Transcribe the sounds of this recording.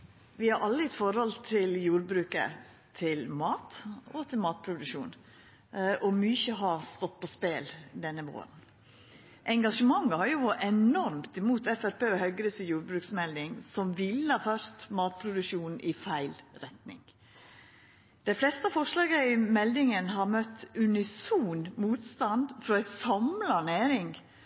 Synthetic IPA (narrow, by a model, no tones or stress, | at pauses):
ʋɪhɑɾʔɑlːəɪt̪fɔɾhɔlt̪ʰɪljuːɾbɾʉːkə̰ | t̪ʰɪlmɑːt̪ɔt̪ʰɪlmɑːt̪̚pʰɾʊd̪ʉʃuːn | ʔɔmyːçəɦɑst̪ɔt̪̚ːpʰɔspeːld̪ɛnːəʋo̰ːɾən | ʔɛŋɡɑʂəmɑŋːəhɑɾjʊɔʔɛnɔɾmt̪ɪmuːt̪ɛfæɾpeːhœʏɡɾyːsəjuːɾbɾʉːksmɛld̪ɪŋsɔmʋɪlːəhɑːfœɾst̪mɑːt̪̚pʰɾʊd̪ʉʃuːn̩ʔɪfæɪlɾɛt̪nɪ̰ŋ | d̪̥æɪflɛst̪əɑfɔʂlɑːɡəɪmɛld̪ɪŋənɦɑɾmœt̪ːʉnɪsuːnmuːt̪st̪ɑnd̪fɾɔæsɑmlɑnæːɾɪŋ